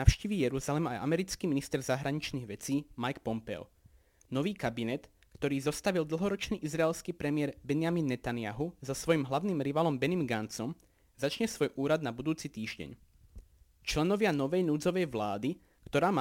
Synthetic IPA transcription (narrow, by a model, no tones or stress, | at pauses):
afʃciʋijɛɾuzalɛmajʔa̰mɛɾit͡skiːminist̪ɛɾzaɦɾaɲit͡ʃniːɣʋɛt͡siːmajkpɔmpɛ̰ʊ | nɔʋiːkabinɛt̪ | kt̪ɔɾiːzɔst̪aʋild̪l̩ˠɦɔɾɔt͡ʃniːʔizɾaɛlskiːpɾɛmɪɛɾbɛnɪaminːɛt̪anɪaɦuzɔsʋɔjimɦlaʋniːmɾiʋaːlɔmbɛnimɡant͡sɔm | zat͡ʃɲɛsʋɔjʔuːɾad̪̚nabud̪uːt͡sit̪iːʒɟɛ̰ɲ | t͡ʃlɛnɔʋɪanɔʋɛjnuːd͡zɔʋɛjʋlaːd̪i | kt̪ɔɾaːma